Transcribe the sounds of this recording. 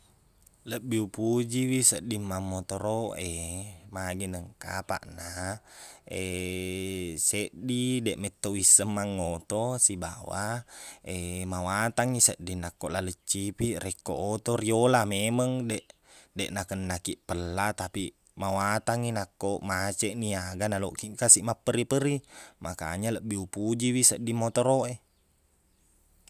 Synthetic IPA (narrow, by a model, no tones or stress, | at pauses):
ləbːiupud͡ʒiwisəʔdimːamːot̪oɾoemaɡinəŋka̰pa̰ʔna | e | seʔdidɛʔmɛt̪ːowisəmːaŋːot̪osibawa̰emawat̪aŋisəʔdinakːoʔlalət͡ʃːipiʔrɛkːo̰ʔot̪oɾiolameməŋdɛʔ | dɛʔnakənːakiʔpəlːat̪api | mawat̪aŋinakːoʔmat͡ʃɛʔniaɡanalo̰ʔkiŋkasiʔmapːəɾipəɾimaka̰ɲaləʔbiupud͡ʒiwisəʔdimot̪oɾoe